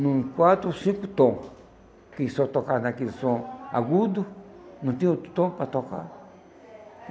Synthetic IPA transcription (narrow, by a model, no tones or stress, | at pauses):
nũikwat̪ɾusĩkut̪õ | kisõt̪okanãkisõa̰ɡud̪unũt̪ĩot̪u̥t̪õpat̪oka̰